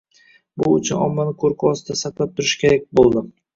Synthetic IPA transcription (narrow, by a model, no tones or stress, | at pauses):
bʊʊ̰t͡ʃʰʊnɒ̰mːanɪkʰoɾkʰʊɒsɪd̪asaqlˠap̚t̪ʰʊɾɪʃkʲe̞ɾak̚ʲbolˠd̪ɪ